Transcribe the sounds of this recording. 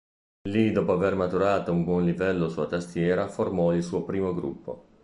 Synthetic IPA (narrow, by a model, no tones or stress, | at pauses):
lid̪ɔːpoavermat̪uɾaːt̪oumbwɔnlivɛlːosulat̪ast̪jɛːɾaformɔilsuːopɾiːmoɡɾṵpːo̰